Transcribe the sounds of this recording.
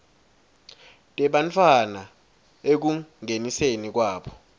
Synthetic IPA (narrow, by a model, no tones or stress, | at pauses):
tʼɛɓant͡fʰwana | ek̬uŋʱenisenik̬waːɓɔ